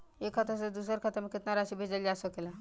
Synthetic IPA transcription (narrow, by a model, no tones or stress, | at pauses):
ekʰːat̪əsəd̪us̬əɾkʰat̪əɾməkit̪naɾaɕibʱed͡zalasɔkela